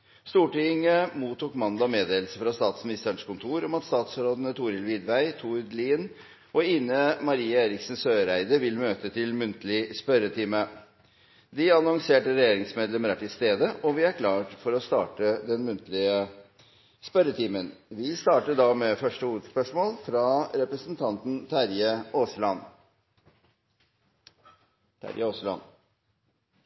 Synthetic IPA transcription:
st̪uːʈɪŋəmuːt̪ʰːuːkmɑnd̪ɑmeːd̪eːlsəfɾɑst̪ɑːt̪smɪst̪əɳʂkʊnt̪ʰuːɾɔmɑt̪st̪ɑːt̪sɾoːd̪ənət̪ʰuːɾɪlʋɪːd̪ʋæɪt̪ʰuːd̪liːn | ʔɔɪnːəmɑɾiːəeːɾɪksn̩søːɾæɪd̪əʋɪlmøːt̪ət̪ʰɪlmʉnt̪əlɪspœɾət̪ʰɪːmə | d̪ɪɑnɔŋseːʈəɾɛjeːɾɪŋsmeːd̪lɛmɾæʈʰːɪlst̪eːd̪əʔɔʋɪæɾkʰlɑːʈfɔɾɔst̪ɑːʈəd̪ɛnmʉnt̪lɪə | spœɾət̪ʰiːmənʋɪst̪ɑːʈəd̪ɑmefœʂʈəuːpœʂmoːlfɾɑɾɛpɾəsənt̪ʰɑnt̪n̩t̪ʰæɾjəoːslɑn | t̪ʰæ̰ɾjəoːslɑ̰n

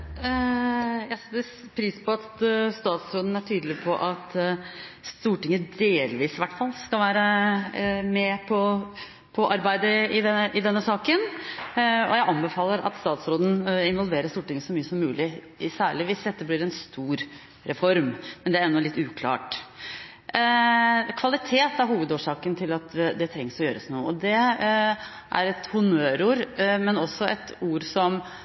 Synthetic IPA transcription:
jæɪsɛt̪ːə | pʰɾiːspʰɔɑt̪st̪ɑːt̪sɾoːd̪n̩æʈʰyːd̪lɪpʰɔʔɑt̪ | st̪uːʈɪŋəd̪eːlʋiːsɪʋæʈːfɑlːskɑlʋæːɾə | mɛpʰɔ | pʰɔʔɑɾbæɪd̪əɪd̪ɛʔɪd̪ɛnːəsɑːkən | ɔ̰jæɪʔɑnbəfɑːləɾɑ̰t̪st̪ɑːt̪sɾoːd̪n̩ɪnʋɔlʋeːɾəʂst̪uːʈʈɪŋːəsɔmyːəsɔmːʉːlɪ | sæːɭɪʋɪsd̪ɛt̪ːəblɪɾɛnst̪uːɾ | ɾɛfɔɾmmɛnd̪ɛæɾɛnːɔlɪt̪ːʉːkʰlɑ̰ːʈ | kʰʋɑlɪt̪ʰeːt̪ɑʋɦuːʋəd̪oːʂɑːkənt̪ʰɪlɑt̪d̪ɛt̪ʰɾɛŋsɔjøːɾə̰snuːəɔd̪ɛ | ʔæ̰ɾɛt̪hʊnøːɾuːɾmɛnɔsːɔʔɛt̪uːɾsɔm

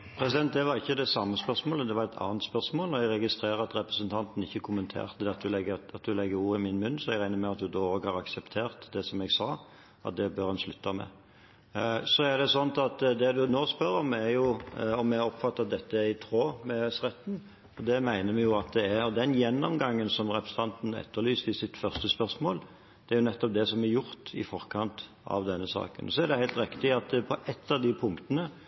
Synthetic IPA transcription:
pʰɾɛsɪd̪ɛnt̪̚d̪ɛʋɑɾɪçːəd̪ɛsɑmːəspœɾsmoːləd̪ɛʋɑɾɛt̪ʰɑ̰ːnt̪spœʁsmoːlnɔɛɡɾɛɡɪst̪ɾeːɾəɑt̪ɾɛpɾəsənt̪ʰɑnt̪n̩ɪçːəkʰʊmənt̪ʰḛːʁt̪əd̪ɛɑt̪d̪ʉlɛɡːəɑt̪̚d̪ʉlɛɡːəɾuːʁɪmɪnmʉnːsɔɛɡɾæɪnəmɛɑt̪̚d̪ʉd̪oːʁɔɡhɑɾɑksɛpt̪ʰeːɾt̪d̪ɛsɔmɛɡsɑː | ɑ̰t̪̚d̪ɛbœɾənslʉt̪ːɑmɛ̰ | sɔæɾd̪ɛsɔnt̪ɑt̪d̪ɛd̪ʉnoːspœɾɔmæjʊɔmːɛɔpfɑt̪ːɑt̪̚d̪ɛt̪ːəæɾɪt̪ʰɾoːmɛøsɾɛt̪ːn̩ | ɔd̪ɛmæɪnəmɛjʊɑt̪̚d̪ɛæɾɔd̪ɛnjɛnːɔmɡɑŋːənsɔmʁɛpɾəsə̥t̪ʰɑnt̪n̩ɛ̰t̪ːəlyːst̪ɪsɪt̪fœʁst̪əspœʁsmoːl | d̪̥ɛæɾjʊnɛt̪ːɔp̚d̪ɛsɔmɛɾjʊɾt̪ɪ̰fɔʁkʰɑnt̪ | ɑ̰ʋd̪ɛnːəsɑ̰ːkənɔsɔæɾd̪ɛhæɪlt̪ɾɪkt̪ɪɑt̪pʰɔʔɛt̪ʰːɑʋd̪ɪpʰʊŋkt̪ənə

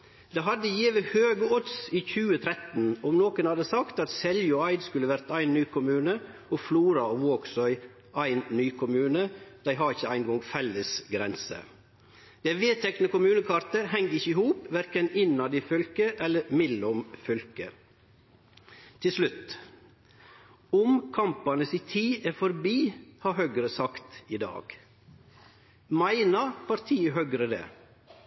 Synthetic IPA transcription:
d̪̥eːɦɑd̪əjiːʋəhøːɡəɔt̪siːçʉːət̪ʰɾɛt̪n̩ɔmnoːkənhɑd̪əsɑkt̪ɑt̪sɛljɔæɪd̪skʉlːəʋæɾt̪æɪnːyːkʰʊmʉːnə | ɔfluːɾɑɔʋoːksœʏ | ʔæɪnnyːkʰʊmʉːnəd̪æɪɦɑɾɪçːəæɪŋɡɔŋfɛləsɡɾɛnsə̰ | d̪̥eʋeːt̪ʰɛknəkʊmʉːnəkʰɑɾt̪əhɛŋɡəɾɪçːəɪhuːpʋæɾkənɪnːɑd̪ɪfʏlkəʔɛlːəɾmɪlʊmfʏlkə̰ | t̪ʰːɪlʂlʉt̪ | ʊmkʰɑmpɑnəsiːt̪ʰiːæːfɔɾbiːhɑːɾhøːɡəɾəsɑkt̪ɪd̪ɑ̰ːɡ̥ | mæɪnəpʰɑɾt̪ʰiːəɦœːɡəɾəd̪ḛː

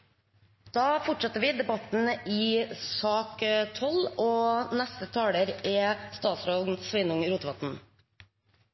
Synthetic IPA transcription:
d̪̥ɑːfɔʈʂɑt̪əʋiːd̪ɛbɑt̪n̩ɪːsɑːkt̪ʰɔloːnɛst̪ət̪ʰɑːɽəɾɛst̪ɑːt̪sɾonsʋɪnʊŋɾuːt̪əʋɑt̪n̩

